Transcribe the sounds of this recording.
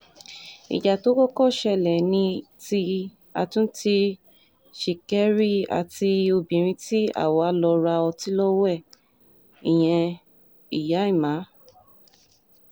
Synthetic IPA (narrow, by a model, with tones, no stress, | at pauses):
ḭ˨d͡ʒa˨to˨˦kɔ˦kɔ˦˨ʃɛ˧˨lɛ˨nĩ˧ti˧ | a̰˧tũ˦ti˧ | ʃi˨kɛ˦ɾi˦˨a̰˧ti˧o˧bĩ˨ɾ̃ĩ˧ti˦a̰˦˨wɔ˨a˧˦lɔ˧ɾa˧ɔ˧ti˦lɔ˦wɛ˦˨ | i˨j̃ɛ̃˧ | i˨ja˨˦i˦˨mã˨˦